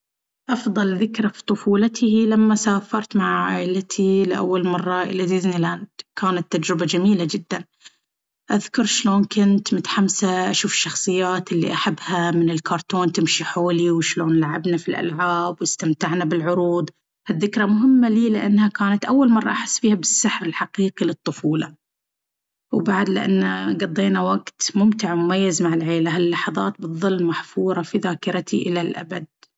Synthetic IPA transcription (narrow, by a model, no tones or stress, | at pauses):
ʔɑfðˤɑlðɪkɾafi̥t̪ˤʊfuːlat̪ʰɪilamːasaːfɑɾˤt̪maʕaaːʔɪlat̪ʰilɪʔa̰wːalmɑrˤːɑʔɪ̰lad̪ɪznilant̪kʰaːnat̪ːad͡ʒɾɪbad͡ʒamiːlad͡ʒɪd̪ːan | ʔaðkʊɾˤʃloːnkʊnt̪mʊt̪ħamsaʔaʃuːfɪ̥ʃːɑxsˤɨjːaːt̪ɪlːḭʔaħabːhamɪnɪlkɑːɾˤt̪oːnt̪ɪmʃiħoːliwɪʃloːnlaʕabnafilʔa̰lʕaːbwɪst̪amt̪aʕnabɪlʕʊɾuːd̪ˤ | haðːɪkɾamʊɦɪmːaliːlɪʔanːhakaːnat̪ʔawːalmɑrˤːɑʔaħɪsːbiːhabɪsːaħɾɪlħaqiːqilɨt̪ˤːʊfuːlɑ̰ | wbaʕd̪lɪʔa̰nːaɡɑd̪ˤːeːnawaɡt̪mʊmt̪ɪʕmʊmajːazmaʕɪlʕeːlaɦalːɑħɑðˤɑːt̪̚bɨðˤːɨlːmaħfuːɾˤɑfiðaːkɪɾt̪ʰiʔɪlalʔa̰bad̪̚